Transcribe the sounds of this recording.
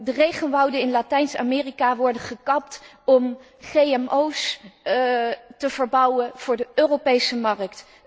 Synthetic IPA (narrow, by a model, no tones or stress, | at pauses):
dərejχənʋɑwdənɪnlaːtɛjnsa̰mɪːrikaʋɔɹdəχəkɑp̚t | ɔm | χejɛmows | təvəɹbɑwəv̥ʊːɹdəʔøːropejsəmɑrək̚t